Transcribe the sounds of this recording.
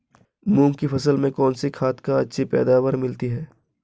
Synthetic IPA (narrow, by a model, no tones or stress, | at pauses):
mũːmkifʰɐsəlmẽkɔːnsikʰaːt̪ʰkaɐtːʃʰipɛ̰ːd̪aːʋəɾmɪlt̪iɦɛː